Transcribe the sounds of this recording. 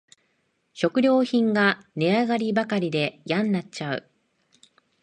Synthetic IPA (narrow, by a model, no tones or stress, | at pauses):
ɕo̞kɯ̟ɾʲo̞ːçĩŋɡaneaɡaɾʲibakaɾʲid̪e̞jãnːat͡ɕt͡ɕaɯ̟̰